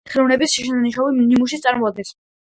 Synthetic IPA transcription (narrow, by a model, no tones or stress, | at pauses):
χʰiɾuvnɛbisʃiʃɛnaniʃɔvimnimuʃ̬it̪sʼaɾmɔad̪̚ɡɛs